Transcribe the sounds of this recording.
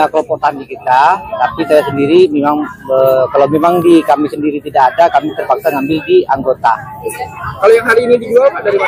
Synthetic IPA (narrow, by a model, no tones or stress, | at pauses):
aklɔpot̪anakit̪at̪apisajasəndiɾimemaŋəkalawmemaŋdikamisəndiɾit̪idaːdakamit̪ərpaksaŋambɪldiaŋɡot̪a | kalojaŋɦaɾiːnidiɡualpadaɾima